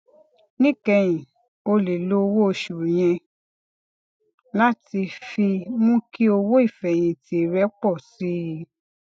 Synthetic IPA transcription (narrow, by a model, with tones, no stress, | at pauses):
nĩ˦kɛ˧˨j̃ĩ˨ | o˧le˨lo˦˧wo˦o˧ʃu˨j̃ɛ̃˧ | la˦ti˧fi˧mũ˦ki˦o˧wo˦i˦˨fɛ˨j̃ĩ˧ti˨˦˨ɾɛ˦k͡pɔ˦˨si˨˦